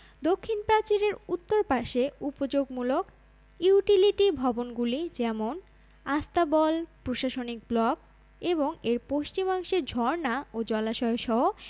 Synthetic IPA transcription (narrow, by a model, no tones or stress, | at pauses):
d̪okʰːinpɾat͡ɕiɾeɾut̪ːoɾpaʃeupod͡ʑoɡmulok | uuʈiliʈibʱɔbonɡulid͡ʑɛmon | ast̪abɔlpɾoʃaʃonik̚blɔk | eboŋeɾpoʃt͡ɕimaŋʃeɾd͡ʑʱɔɾnaod͡ʑɔlaʃɔeʃɔɦo